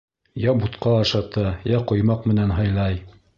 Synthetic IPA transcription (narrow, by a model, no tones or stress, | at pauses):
jɑbut̪qɑɑʃɑt̪ɑjæqŏjmɑqmɘ̆nænɦɑ̆jlˠɑj